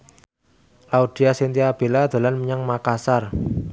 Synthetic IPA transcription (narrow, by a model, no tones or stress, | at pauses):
ʔaud̪̥iasint̪iab̥e̤lad̪̥a̤lanməɲaŋmakasar